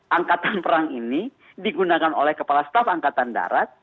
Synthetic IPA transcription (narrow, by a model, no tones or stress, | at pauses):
ʔaŋkat̪anpəɾaŋini | diɡunakano̰lɛhkəpalast̪afaŋkat̪anda̰ɾat̪̚